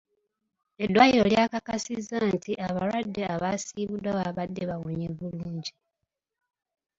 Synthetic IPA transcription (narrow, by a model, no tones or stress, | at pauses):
e̞dːwaːjiɾoljaːkakasizantiʔaβalwadːe̞aβasiːβudawaβadːe̞βawoɲeβuluːɲɟi